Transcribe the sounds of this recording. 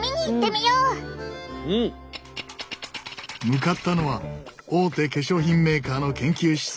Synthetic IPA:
mʲiɲ̟iːt̪ːe̞mʲijoː | mɯ̟kat̪ːano̞βao̞ːt̪e̞ke̞ɕo̞ːçĩmːe̞ːkaːno̞kẽ̞ŋkʲɨːɕi̥s

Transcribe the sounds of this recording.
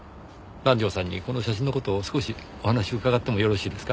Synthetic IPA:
ɾãɲ̟d͡ʑʲo̞ːsãɲ̟ːḭko̞no̞ɕaɕĩno̞kot̪o̞ːsɨ̥ko̞ɕi | o̞hanaɕiokaɡat̪ːe̞mo̞jo̞ɾo̞ɕiːd̪e̞sɨ̥ka

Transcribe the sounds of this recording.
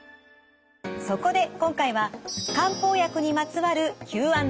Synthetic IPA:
so̞ko̞d̪e̞kõ̞ŋkaiβakãmpo̞ːjakɯ̟ɲ̟imat͡sɨβaɾɯ̟kʲɨːβãn

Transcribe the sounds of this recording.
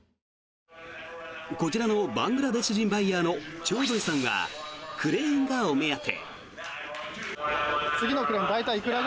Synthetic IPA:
ko̞t͡ɕiɾano̞bãŋɡɯ̟ɾad̪e̞sɨʑĩmbaijaːno̞t͡ɕo̞ːd̪oisãɰ̃βa̰kʰɯ̟ɾẽ̞ːŋɡaomejat̪ʰe̞̰ | t͡sɨɡʲino̞kɯ̟ɾẽ̞nd̪ait̪aiːkɯɾa

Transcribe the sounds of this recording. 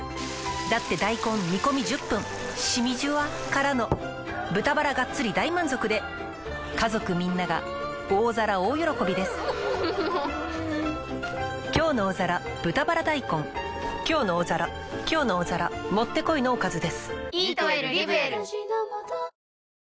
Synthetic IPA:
d̪at̪ːe̞d̪aikõ̞mmʲiko̞mʲiʑɨpːɯ̟̃ŋ | ɕimʲiʑɨβa | kaɾano̞ | bɯt̪abaɾaɡat͡st͡sːɨɾʲid̪aimãnzo̞kɯ̟d̪e̞ | kazo̞kɯ̟mʲĩnːaɡa̰ | oːzaɾaoːjo̞ɾo̞ko̞bʲid̪e̞sɨ̥ | kʲo̞ːno̞ːzaɾa | b̥ɯt̪abaɾad̪aikõ̞ŋ | kʲo̞ːno̞ːzaɾa | kʲo̞ːnoːzaɾamo̞t̪ːe̞ko̞ino̞ːkazɨd̪e̞sɨ̥

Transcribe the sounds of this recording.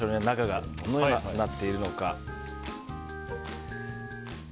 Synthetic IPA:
oɲenakaɡa̰d̪onojomanat̪ːe̞iɾɯ̟no̞ka

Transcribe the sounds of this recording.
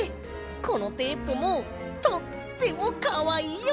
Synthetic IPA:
ko̞no̞t̪e̞ːpɯ̟mo | t̪ot̪ːe̞mokaβai

